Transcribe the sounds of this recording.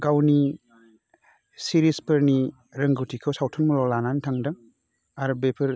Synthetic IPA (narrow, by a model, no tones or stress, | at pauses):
ɡawni | siɾispɯɾni | ɾɐŋɡuwtʰikʰɯwsawtʰɔnmɔlɔlanantʰaŋdɯŋ | aɾbepʰɯɾ